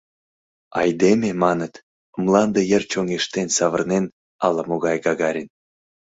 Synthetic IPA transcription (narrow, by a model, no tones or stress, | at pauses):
ɑ̰jd̪emʲemɑnət̪ | ə̆mlˠɑnd̪ɤ̆jə̆rt͡ɕoŋeʃt̪enʲsɑβə̆rnen | ɑlˠɑmoɣɑjɡɑɣɑɾʲen